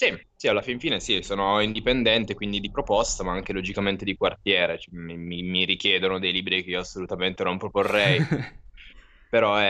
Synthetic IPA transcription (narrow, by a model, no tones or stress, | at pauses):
sisialːafiɱfiːnesisoːnoind̪ipend̪ɛnt̪ekwind̪id̪ipɾopɔst̪amaaŋk̟elod͡ʒikament̪ed̪ikwart̪jɛːɾet͡ʃɛmimimiɾik̟jɛːd̪onod̪ejliːbɾikeiːoasːolut̪ament̪enompɾoporːɛj | peɾɔɛ